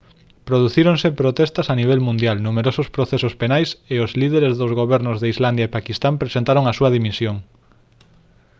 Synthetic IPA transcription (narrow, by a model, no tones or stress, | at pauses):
pɾoðuθiɾoŋsepɾot̪ɛst̪ɐsaniβ̞ɛlmũnd̪jalnumeɾosʊspɾoθesospenajseozlið̞eɾezðozɣoβɛɾnʊzðeizland̪jaepakist̪ampɾesent̪aɾoŋɐsuɐðimisjoŋ